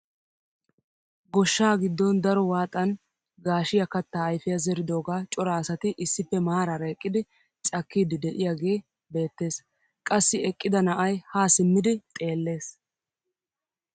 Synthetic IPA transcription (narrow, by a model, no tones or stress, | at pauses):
ɡɔʃːaːɡɪd̪ːɔnd̪ɐɾɔwaːt̪ʼːɐn | ɡaːʃɪjɐkɐt̪ːaːjfɪjɐzɛɾɪd̪o̞ːɡaːt͡ʃʼɔɾaːsɐt̪ɪʔɪsːɪpːɛmaːɾɐɾɐɛkʼːɪd̪ɪ | t͡ʃʼɐkːiːd̪ɪd̪ɛʔɪjaɡe̞ː | be̞ːt̪ːe̞ːs | kʼɐsːɪɛkʼːɪd̪ɐnɐʔɐjhaːsɪmːɪd̪ɪt̪ʼe̞ːlːe̞ːs